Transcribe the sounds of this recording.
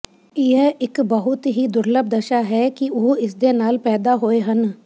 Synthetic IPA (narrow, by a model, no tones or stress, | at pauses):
ɪɛʔɪkbəɦʊt̪ɦiːd̪ʊɾləb̚d̪əʃaːɦɛːkɪʊɦɪsd̪eːnaːlpɛːd̪aːɦoːeːɦən